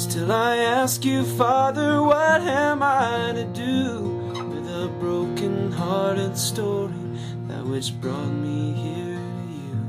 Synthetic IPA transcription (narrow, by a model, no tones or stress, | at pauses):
stʰɪlˠaɪæskjɨfɑðə˞wʌt̚ɨ̃maɪɪɪɾɨdɨ | wɪðəbɹoʊkɨ̃nɦɑɹɾɨd̥stɔɹi | ðɨ̰t̚wɨt͡ʃb̥ɹɔt̚mihiɹ | jʉ